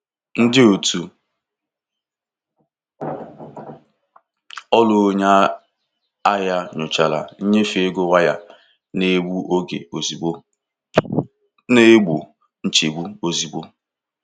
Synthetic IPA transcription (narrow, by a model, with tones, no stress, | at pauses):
n̩˦dɪ˦o˨tu˨ | ɔ˦lʊ˨˦ɲa˦ | a˦ja˦ɲʊ˨t͡ʃa˨la̰˨n̩˦ɲe˦fe˦ɡo˦wa˦ja̰˦ | ne˦ɡ͡bu˦ʔo˦ɡḛ˨o˨zi˨o˦ | ne˦ɡ͡bu˨ | n̩˦t͡ʃe˨ɡ͡bu˦o˦zi˨ɡ͡bo˦